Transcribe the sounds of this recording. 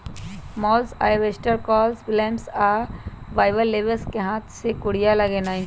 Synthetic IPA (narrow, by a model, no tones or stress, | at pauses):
mɔːlsa̰ːjʋesʈəɾkɔːlsbɪlemsaːʋaːɪʋəlːeːʋəlskeɦãːt̪ʰsekʊɽijalɐɡenaːĩ